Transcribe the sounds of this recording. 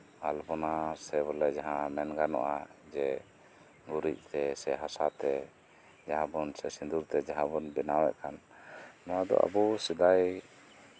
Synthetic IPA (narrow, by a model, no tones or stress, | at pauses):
albɔnasɛbɔlɛd͡ʒaɦãmɛnɡanɔ̰ʔad͡ʒɛ | ɡuɾic̚ˀt̪ɛsɛɦasat̪ɛ | d͡ʒaɦãbɔnsɛsind̪uɾt̪ɛd͡ʒaɦãbɔnbɛnawɛ̰ʔkanː | ɔwad̪ɔ̰ʔa̰busid̪aj